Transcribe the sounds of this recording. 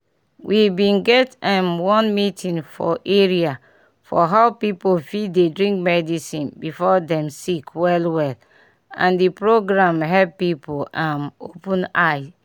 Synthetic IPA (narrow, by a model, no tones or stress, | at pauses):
wʔibĩnɡɛtɛ̃mwɔ̃nmitʰĩnfɔ̰ʔeɹia | fɔɦaʊpipofidedɹĩŋk̚mɛdisĩnbifɔdɛ̃msikʰwɛlwɛl | ã̰ndipɹoɡɹãmɦɛbpipoãmopũnaɪ